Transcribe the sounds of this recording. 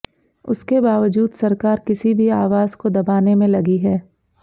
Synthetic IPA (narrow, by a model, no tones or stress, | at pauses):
ʊ̰skebaːʋəd͡ʒuːd̪sɐɾkaːɾkɪsibʱiaːʋaːzkod̪ɐbaːnemẽlɐɡiɦɛː